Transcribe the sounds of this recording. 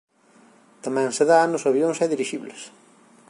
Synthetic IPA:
t̪amɛ̃ŋseðaanʊsɐβjoŋsɛðiɾiʃiβles

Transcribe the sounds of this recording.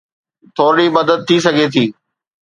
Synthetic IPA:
t̪ʰoːɽimɐd̪əd̪̚t̪ʰːisɐɡʱet̪ʰiː

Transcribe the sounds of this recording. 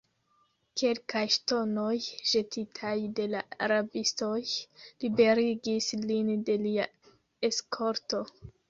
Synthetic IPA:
ke̞lkajʃto̞no̞jʒe̞tʰitʰajde̞laaɾabisto̞jlibe̞ɾiɡislinde̞lia | eskʰo̞ɾto̞

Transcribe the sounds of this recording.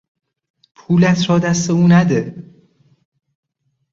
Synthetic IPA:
pʰuːlæt̪ʰɾɒːd̪æst̪e̞uːnæd̪e

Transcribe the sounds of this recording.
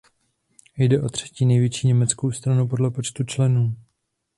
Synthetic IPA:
jdɛʔo̞t̪r̝̥ɛ̥ciːnɛjvjɛt͡ʃiːɲɛmɛt͡sko̞wst̪ɾanupo̞dlɛpo̞t͡ʃt̪ut͡ʃlɛnuː

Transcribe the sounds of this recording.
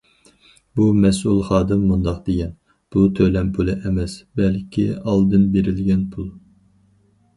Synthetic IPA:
bumɛs̬ulˠχɑːd̪ɨmːund̪ɑqd̪̥eɡʲɛn | b̥ut̪ʰølɛmpʰulˠɨʔɛmɛsbɛlkʲʰiɑlˠd̪ɨnbeɾɪlɡʲɛnpʰulˠ

